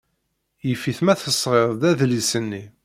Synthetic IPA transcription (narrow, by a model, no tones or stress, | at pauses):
jəfiθmæθəsˤːʁeɾˤd̪æðlisənːi